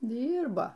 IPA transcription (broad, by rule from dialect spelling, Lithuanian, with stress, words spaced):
ˈdʲiːrboː